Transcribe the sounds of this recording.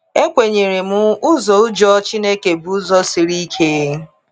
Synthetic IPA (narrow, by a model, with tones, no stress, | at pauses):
e˦kʷe˨ɲe˨ɾe˨mʊ˦ʊ˦zɔ˨ʊ˦d͡ʒɔ˦t͡ʃi˦ne˦ke˨bu˨u˦zɔ˦si˨ɾi˦kʰe˦